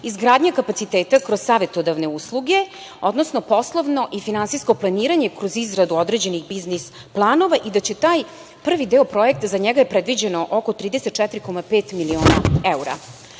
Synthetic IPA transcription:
izɡɾaːd̪ɲakapat̪sit̪eːt̪akɾozsaːʋe̞t̪od̪aʋne̞uslˠuɡe̞ | o̞d̪nosnopo̞slˠoʋno̞ʔifinansisko̞plˠaniːɾaɲe̞kɾozizɡɾad̪uod̪ɾe̞d͡ʑe̞niɣbiznis | plˠaːno̞ʋaʔid̪at͡ɕe̞t̪aːj | pr̩ʋid̪eːopɾo̞e̞k̚t̪azaɲeɡajepɾed̪ʋid͡ʑe̞noʔoko̞t̪ɾiːd̪eset̪̚t͡ʃɛt̪iɾikomapeːt̪milioːna̰euɾa̰

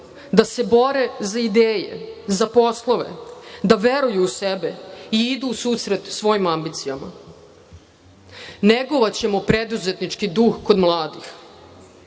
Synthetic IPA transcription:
d̪ase̞bo̞ɾe̞zaid̪eːjḛzapo̞slˠo̞ʋe̞̰d̪aʋeɾujuːsebeiid̪uːsuːsɾe̞t̪sʋo̞jimambit̪sijama̰ | neɡoʋat͡ɕe̞mopɾe̞d̪uze̞t̪nit͡ʃkid̪uxko̞d̪mlˠaːd̪ix

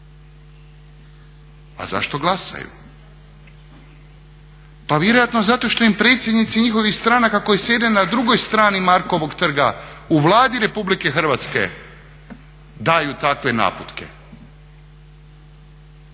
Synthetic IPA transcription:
a̰za̰ʃt̪o̞ɡlˠasa̰jṵ | paʋjeɾo̞jat̪nozat̪o̞ʃt̪o̞impɾe̞ːt̪sjed̪nit̪siɲixo̞ʋixst̪ɾaːnakako̞jisjed̪enad̪ɾuɡo̞jst̪ɾaːnimaɾkoʋo̞ɡt̪r̩ɡauʋlˠaːd̪iɾe̞publike̞xr̩ʋat̪ske̞̰ | d̪ajut̪akʋe̞na̰ːput̪ke̞̰

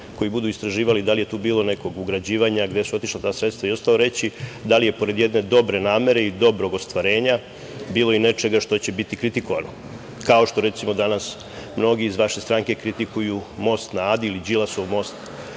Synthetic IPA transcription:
ko̞jibud̪uist̪ɾaʒiːʋalid̪alije̞t̪uːbiːlˠo̞ne̞ko̞ɡuɡɾad͡ʑiːʋaɲaɡd̪e̞suo̞t̪iʃlat̪aːsɾet̪st̪ʋaio̞st̪alo̞ɾe̞t͡ɕid̪alije̞po̞ɾe̞d̪jed̪ne̞d̪o̞bɾe̞naːme̞ɾe̞id̪o̞bɾo̞ɡo̞st̪ʋaɾe̞ːɲa | biːlˠo̞ine̞t͡ʃe̞ɡaʃt̪o̞t͡ɕe̞bit̪ikɾit̪iko̞ʋano̞ | kao̞ʃt̪o̞ɾe̞t̪simo̞d̪anas | mno̞ɡiːzʋaʃe̞st̪ɾaŋke̞kɾit̪ikujumo̞st̪naad̪iilid͡ʑilaso̞ʋmo̞st̪

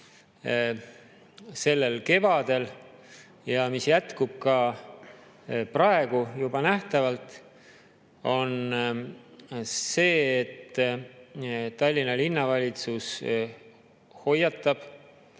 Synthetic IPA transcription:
se̞lːe̞lke̞vɑd̪e̞l | jɑmisjæt̪kub̥̚kɑ | prɑe̞ɡ̥ujubɑnæht̪ɑvɑlt̪ˑ | o̞n | se̞ːet̪ː | t̪ːɑlʲːinɑlinːɑvɑlʲit̪sus | ho̞jːɑt̪ˑːɑb̥

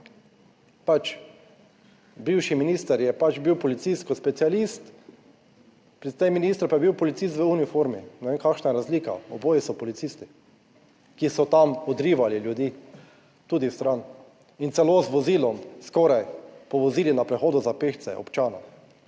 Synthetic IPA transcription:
pat͡ʃ | biwʃiminist̪əɾjɛpat͡ʃbiwpɔlit̪siskɔspɛt̪sialist̪ | pɾit̪sɛjminist̪ɾpajɛbiwpɔlit̪sis̬t̪ʋəunifoɾminɛʋeːmkakʃnajɛɾazliːka̰ɔboːjisɔpɔlit̪sist̪i | kisɔt̪amɔd̪ɾiːʋaliljud̪iː | t̪uːd̪ist̪ɾan | int̪sɛlozʋɔziːlɔmskɔɾajpɔʋɔziːlinapɾɛxoːd̪ʊzapext̪sɛ̰ʔɔ̰pt͡ʃaːna

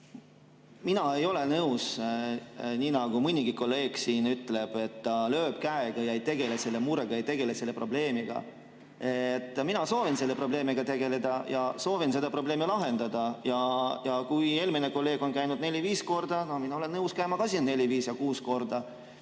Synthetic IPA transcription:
minɑe̞jo̞le̞nɤws | nʲiːnɑɡ̥umɯnʲiɡ̥iko̞lːe̞ːɡ̥siːnyt̪ːˑle̞b̥e̞t̪ːɑlø̞ːb̥kæeɡ̥ɑjɑejt̪e̞ɡ̥e̞lese̞lːemuɾeɡ̥ɑjejt̪e̞ɡ̥e̞lese̞lːe̞pro̞ble̞ːmiɡ̥ɑ̰ | et̪ˑːminɑso̞ːvinse̞lːepro̞ble̞ːmiɡ̥ɑt̪e̞ɡ̥e̞le̞d̪̥ɑjɑso̞ːvinse̞d̪ɑpro̞ble̞ːmilɑɦe̞nd̪̥ɑd̪̥ɑjɑjɑkuje̞ːlmine̞ko̞lːe̞ːɡ̥o̞nkæjnud̪̥ne̞lʲiviːsko̞rd̪̥ɑno̞hminɑole̞nnɤuskæjmɑkɑsinne̞lʲiviːsjɑkuːsko̞rd̪̥ɑ

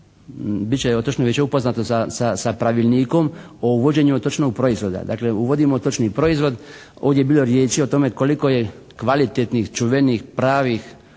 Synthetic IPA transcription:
bit̪t͡ɕeot̪ot͡ʃnoʋit͡ɕeupo̞znat̪osasasapɾaʋilʲniːko̞m | ouʋo̞d͡ʑe̞ɲuot̪ot͡ʃnoɡ̚pɾo̞izʋo̞d̪a̰d̪a̰ːkleuʋo̞d̪imot̪o̞t͡ʃnipɾo̞izʋo̞d̪ | oːʋd̪ʲjebiːlˠo̞ɾjeːt͡ʃiot̪o̞me̞ko̞liko̞je | kʋalit̪et̪nixt͡ʃuʋenixpɾaːʋix

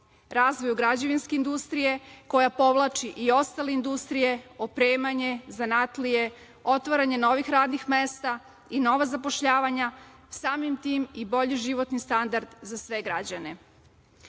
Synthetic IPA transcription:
ɾaːzʋo̞juɡɾad͡ʑeʋinskeind̪ust̪ɾije̞ko̞japo̞ʋlˠat͡ʃiʔio̞st̪ale̞ind̪ust̪ɾije̞opɾeːmaɲe̞zanat̪lije | o̞t̪ʋaɾaɲe̞no̞ʋixɾaːd̪nixmest̪a | ino̞ʋazapo̞ʃʎaːʋaɲa | saːmimt̪iːmibo̞ʎiʒiʋo̞t̪nist̪and̪aɾd̪zasʋe̞ɡɾad͡ʑane̞

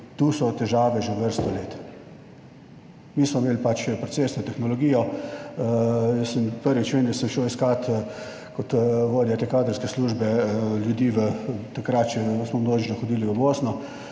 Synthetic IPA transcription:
t̪uːsɔt̪ɛʒaːʋɛʒeʋəɾst̪ɔleːt̪ | miːsmɔmeːlpat͡ʃpɾɔtseːsnɔt̪ɛxnɔlɔɡiːjɔ | jəsəmpəɾʋit͡ʃʋenɛsəmʃɛwiskat̪ | kɔt̪ʋoːd̪jat̪eːkaːd̪əɾskɛsluːʒbɛljud̪iːʋət̪akɾat̪t͡ʃɛsmɔmnoːʒinɔxɔd̪iːliɔboːsnɔ

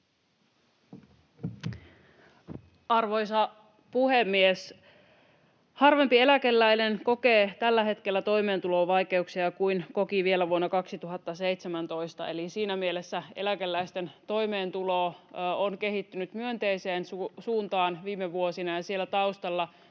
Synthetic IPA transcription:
ʔɑrʋo̞jsɑ | puhemːies | hɑrʋe̞mpie̞lækelːæjnenko̞ke̞ːt̪ælːæɦe̞t̪ke̞lːæt̪o̞jme̞ːnt̪ulo̞ʋɑjke̞uksiɑkujnko̞kiʋie̞læʋuonːɑkɑksit̪uɦɑt̪ːɑse̞jt̪semænt̪o̞jst̪ɑe̞lisiːnæmie̞le̞sːæe̞lækelːæjst̪e̞nt̪o̞jme̞ːnt̪uloːonke̞ɦit̪ːynyt̪myønt̪e̞ise̞ːnusuːnt̪ɑːnʋiːmːeʋuo̞sinɑjɑsie̞lːæt̪ɑust̪ɑlːɑ

